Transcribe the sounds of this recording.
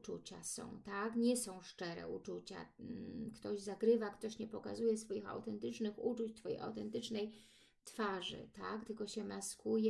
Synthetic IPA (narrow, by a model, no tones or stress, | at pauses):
t͡ʂṵt͡ɕa̰sɔ̰̃w̃t̪akɲɛsɔ̃w̃ʂt͡ʂɛɾɛ̰ʔut͡ʂut͡ɕa̰kt̪ɔʑzaɡɾɘvakt̪ɔɕɲɛpɔka̰zujɛsfɔjixa̰wt̪ɛnt̪ɘt͡ʂnɘxut͡ʂut͡ɕt̪fɔjḛa̰wt̪ɛnt̪ɘt͡ʂnɛj | t̪faʐɘ̰t̪akt̪ɘlkɔɕɛmaskujɛ